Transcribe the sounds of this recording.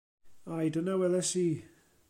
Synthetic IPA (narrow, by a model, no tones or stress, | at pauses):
ajdənawɛðɛsiː